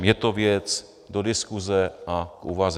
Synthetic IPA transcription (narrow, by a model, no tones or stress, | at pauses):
jɛt̪ovjɛt͡s | dodɪskuzɛʔakʔṵvaz